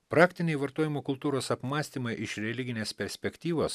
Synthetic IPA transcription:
pɾɑːkʲt̪ʲɪnʲɛɪʋɐɾt̪oːjɪmoːkʊlˠt̪uːɾoːsɐpmɑːsʲt̪ʲiːmɐɪʔɪʃɾʲɛlʲɪɡʲɪnʲeːspʲɛɾʲsʲpʲɛkʲt̪ʲiːʋoːs

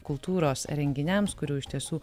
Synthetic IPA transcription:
kʊlˠt̪uːɾoːsɾʲɛŋʲɡʲɪnʲɛmskʊɾʲuːɪʃʲt̪ʲiɛsuː

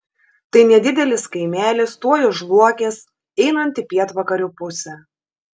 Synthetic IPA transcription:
t̪ɐɪnʲɛd̪ʲɪd̪ʲɛlʲɪskɐɪmʲæːlʲɪst̪uɔjʊʒlˠuɔkʲeːs | ɛɪnɐnʲt̪ʲɪpʲiɛt̪ʋɐkɐɾʲʊːpʊsʲɛ

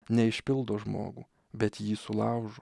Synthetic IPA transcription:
nʲɛɪʃʲpʲɪlˠd̪oːʒmo̰ːɡṵː | bʲɛt̪jiːsʊlˠɑʊʒoː

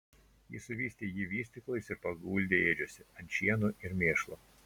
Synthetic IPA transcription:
jiːsʊʋʲiːsʲt̪ʲeːjiːʋʲiːsʲt̪ʲɪklˠɐɪsɪɾpɐɡuːlʲd̪ʲeeːd͡ʒʲuɔsʲɪɐnt̪ʃʲiɛnuɪɾmʲeːʃlˠoː

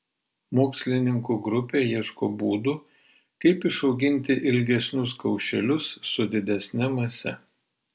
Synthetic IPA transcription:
moːksʲlʲɪnʲɪŋkuːɡɾʊpʲeːjiɛʃkoːbuːd̪uː | kɐɪpɪʃɒʊɡʲɪnʲt̪ʲɪʔɪlʲɡʲɛsʲnʲʊskɐʊʃʲɛlʲʊsːʊd̪ʲɪd̪ʲɛsʲnʲɛmɐsʲɛ

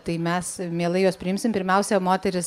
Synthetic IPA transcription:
t̪ɐɪmʲɛsmʲeːlˠɐɪjoːspʲɾʲɪɪmsʲɪmpʲɪɾʲmʲɛʊsʲɛmoːt̪ʲɛɾʲɪs

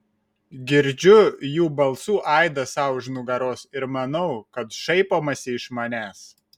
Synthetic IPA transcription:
ɡʲɪɾʲd͡ʒʲʊjuːbɐlˠsuːʔɑˑɪd̪ɐsɑˑʊʒʲnʊɡɐɾoːsɪɾmɐnɐʊkɐt̪ʃɐɪpoːmɐsʲɪɪʃmɐnʲæːs

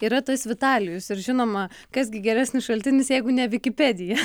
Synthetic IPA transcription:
iːɾɐt̪oːsʋʲɪt̪ɑːlʲɪjʊsɪɾʒʲɪnoːmɐkɐzɡʲɪɡʲɛɾʲæːsʲnʲɪsʃɐlʲt̪ʲɪnʲɪsjɛɪɡʊnʲɛʋʲɪkʲɪpʲɛːd̪ʲɪjɛ

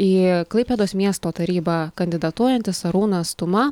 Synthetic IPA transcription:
iːklˠɐɪpʲeːd̪oːsmʲiɛst̪oːt̪ɐɾʲiːbɑkɐnʲd̪ʲɪd̪ɐt̪uɔjɛnʲt̪ʲɪsɐɾuːnɐst̪ʊmɐ

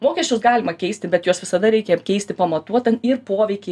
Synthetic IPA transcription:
moːkʲɛʃʲt͡ʃʲʊsɡɑːlʲɪmɐkʲɛɪsʲt̪ʲɪbʲɛt̪juɔsʋʲɪsɐd̪ɐɾʲɛɪkʲeːjmkʲɛɪst̪ʲɪpɐmɐt̪uɔt̪ʲɐnɪrpoːʋʲɛɪkʲe

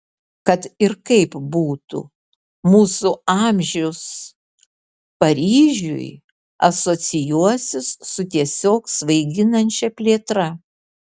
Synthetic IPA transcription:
kɐt̪ɪɾkɐɪpbuːt̪ṵ | muːsʊɑːmʲʒʲɛʊs | pɐɾʲiːʒʲʊ̰j | ɐsoːsʲɪjuɔsʲɪssʊt̪ʲiɛsʲoːksʋɐɪɡʲɪnɐnʲt͡ʃʲɛpʲlʲeːt̪ɾɐ

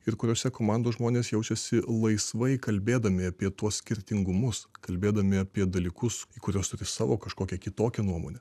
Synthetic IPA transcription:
ɪɾkʊɾʲoːsʲɛkoːmɑˑnd̪oːʒmoːnʲeːsjɛʊt͡ʃʲɛsʲɪlˠɐɪsʋɐɪkɐlʲbʲeːd̪ɐmʲɪɐpʲiɛt̪uɔssʲkʲɪɾʲt̪ʲɪŋɡʊmʊskɐlʲbʲeːd̪ɐmʲɪɐpʲiɛd̪ɐlʲiːkʊsiːkʊɾʲuːst̪ʊɾʲɪsɑːʋoːkɐʃkoːkʲɛkʲɪt̪oːkʲɛnuɔmo̰ːnʲɛ

